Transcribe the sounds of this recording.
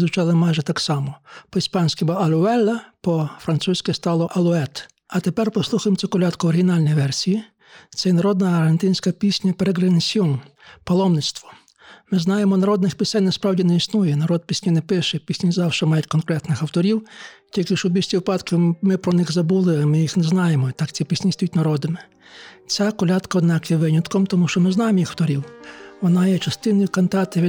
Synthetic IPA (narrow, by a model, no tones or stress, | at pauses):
zʋʊt͡ʃɑlˠɪmɑjʒɛt̪ɑksɑmɔpɔispɑnʲsʲkʲɪbɐɐlʲʊɛlʲːɐpɔfɾɐnt̪susʲkɪst̪ɑlˠɔʔɐlˠʊɛt̪ | ɐt̪epɛrpɔslˠuxɐjemt͡sʲukɔlʲɑt̪kʊɔɾɦʲinɑlʲnʲijʋɛrsʲiji | t̪sɛnɐɾɔd̪nɐɐrɦent̪ɪnʲsʲkɐpʲisʲnʲɐpeɾeɡɾenʲsʲiɔn | pɔlˠɔmnɪt̪st̪ʋɔ | mɪznɑjemɔnɐɾɔd̪̚nɪxpʲisʲɛnʲnɛspɾɑwdʲinɛisnujɛnɐɾɔd̪̚pʲisʲnʲinɛpɪʃɛpʲisʲnʲɐzɑwʃɛmɑjʊt̚ʲkɔnkɾɛt̪nɪxɐwt̪ɔɾʲiwtʲilʲkɪʃɔbʲisʲtʲiʋɪpɑd̪kɪmɪpɾɔnɪxzɐbulˠɪamɪjixnɛznɑjemɔt̪ɑkt͡sʲipʲisʲnʲist̪jutʲnɐɾɔd̪ɪmɪ | t͡sʲakɔlʲɑt̪kɐɔd̪nɑkjɛʋɪnʲɐt̪kɔmt̪ɔmuʃt͡ʃɔmɪznɑjemɔjixwt̪ɔɾʲiwʋɔnɑjɛt͡ʃɐst̪ɪnɔjʊkɐnt̪ɑt̪ɪʋʲi